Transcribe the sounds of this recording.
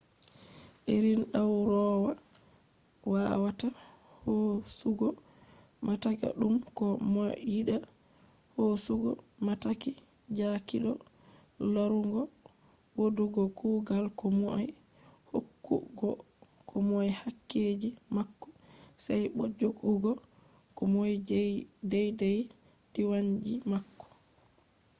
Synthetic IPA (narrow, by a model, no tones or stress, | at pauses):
ʔeɾinɗawɾɔːwa | wawata | hɔsuɡɔ | mʔataka̰ɗumkɔmɔjiɗa | hosuɡɔ̰ | mataki | d͡ʒakiɗɔ̰ | laɾuŋɡɔ | woduɡɔkuːɡalkɔmɔa̰j | hokːṵɡɔ̰ | kʰɔmɔjhakːed͡ʒimakːɔ̥ | sajɓɔd͡ʒoɡuɡɔ | kɔmɔjdɛjdɛj | diwaɲd͡ʒimakːɔ̥